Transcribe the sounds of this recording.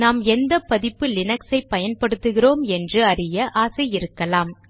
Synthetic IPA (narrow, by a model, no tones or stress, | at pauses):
naːmɛnd̪ɐpɐðɪpːɯlɪnɐksɐɪpːɐjɐnpɐɽɯt̪ːɯɣɪroːmɛndrɯɐrɪjɐʔaːsɐɪjɪɾɯkːɐlaːm